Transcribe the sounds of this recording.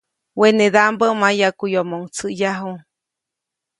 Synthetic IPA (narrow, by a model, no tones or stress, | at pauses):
weneðambəmajakujomoŋt͡sɨjaɦu